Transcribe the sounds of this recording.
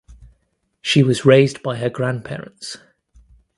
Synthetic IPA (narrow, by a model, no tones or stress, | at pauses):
ʃiwɒzɹeɪzbaɪəɡɹãnpʰɛːɹə̰̃nts